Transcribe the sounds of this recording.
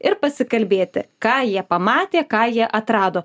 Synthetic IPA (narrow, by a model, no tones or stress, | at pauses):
ɪɾpɐsʲɪkɐlʲbʲeːt̪ʲɪ̰kɑːjiɛpɐmɑːt̪ʲeːkɑːjiɛʔɐt̪ɾɑːd̪oː